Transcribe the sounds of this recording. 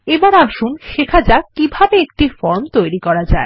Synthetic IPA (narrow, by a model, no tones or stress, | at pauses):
ebaɾaʃunʃekʰad͡ʑakːibʱabeek̚ʈifɔɾmt̪ojɾikɔɾad͡ʑa̰e